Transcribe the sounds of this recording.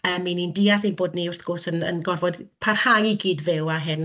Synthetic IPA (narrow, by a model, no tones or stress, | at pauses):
əːminindiːaθinboːdniʊr̥θɡ̥oːsənə̰nɡɔrvɔdpʰarhajiɡiːdvɪwaɦɪn